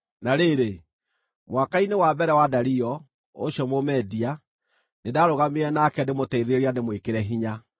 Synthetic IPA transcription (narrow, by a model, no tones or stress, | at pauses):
naɾeɾe | mwakainewabɛɾɛwadaɾiɔ | oɕjɔmomɛdia | nedaɾoɣameɾɛnakɛndemotɛiðeɾeɾianemwekeɾɛɦiɲa